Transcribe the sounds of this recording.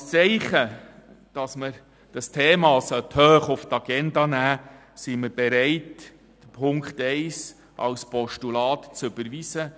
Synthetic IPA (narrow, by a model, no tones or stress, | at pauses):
t͡sɛɪχə | d̥ɑsməɾ | d̥ɑstʰeːmɑːsœt̪høːχʊft̪ɑɡ̥ɛndɑnæː | siməɾbɛɾɛɪt | d̥əpʰʊŋkχtɛɪs | ʔɑ̰wspɔʃtulɑːtt͡sɵbəɾʋisə